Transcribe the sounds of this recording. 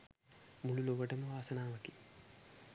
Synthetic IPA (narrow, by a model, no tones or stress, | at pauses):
muɭuloːʋɐʈɐmuʋaːsɐnaːmɐki̥